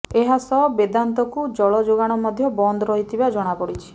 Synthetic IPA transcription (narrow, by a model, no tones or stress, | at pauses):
eɦasɔbed̪ant̪ɔkud͡ʒɔɭɔd͡ʒoɡaɽ̃ɔmɔd̪ʱjɔbɔnd̪ɔɾɔɦit̪ʰibad͡ʒɔɽ̃apɔɽit͡ʃʰi̥